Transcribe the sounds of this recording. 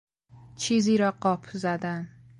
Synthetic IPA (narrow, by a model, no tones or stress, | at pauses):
t͡ʃʰiziɾaqːɒpʰʊzad̪an